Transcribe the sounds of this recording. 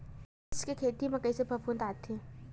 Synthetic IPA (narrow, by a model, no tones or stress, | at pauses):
ɪskekʰeːt̪imẽkəisepɐpunt̪aːt̪ʰːĩ